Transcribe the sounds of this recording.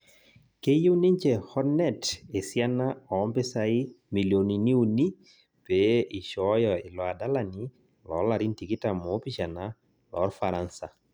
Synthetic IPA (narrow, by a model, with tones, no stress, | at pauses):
ke˦ju˦ni˦ɲt͡ʃe˨hɔ˦nɛ˦te˨sja˦na˦ɔ˨˦mpe˦sa˦i˦mi˨ljo˨ni˨ni˦u˦ni˦ | pe˨i˨ʃɔ˨˦jɔɪ˨lɔ˨a˨da˦la˨ni˦ | lɔ̰˨˦la˨ɾi˦nti˨ki˦ta˨mɔ˨˦pi˦ʃa˨na˦ | lɔ̰˨˦ɾfa˨ɾa˦nsa˨